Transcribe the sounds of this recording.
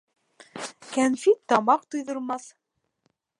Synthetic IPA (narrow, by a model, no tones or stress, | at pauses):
kænfit̪ːɑmɑq̚t̪ŏjðŏɾmɑθ